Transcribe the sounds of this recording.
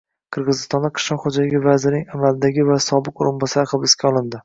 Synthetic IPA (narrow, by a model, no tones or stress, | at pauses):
qʰɨɾʁɨzɪst̪ɒnd̪aqʰɨ̥ʃlɒqχod͡ʒalɪɡʲɪvazɪɾnɪŋamalɪd̪aɡʲɪvasɒbɨqoɾɪnbɒsaɾɪχɨbɪskʲaɒlˠɪnd̪ɪ